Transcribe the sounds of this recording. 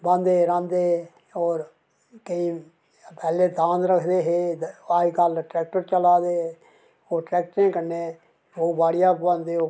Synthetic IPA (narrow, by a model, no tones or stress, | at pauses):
bə̃nd̪eːɾãnd̪e | ɔːɾ | kəi | pɛːleːd̪ãːnɾəkʰd̪eːɦeːaːikəlʈɾɛːk̚ʈəɾt͡ʃəlaːd̪eːe | oːʈɾɛːk̚ʈɾẽkəɾneː | oːbaːɽɪjaːbə̃nd̪eoː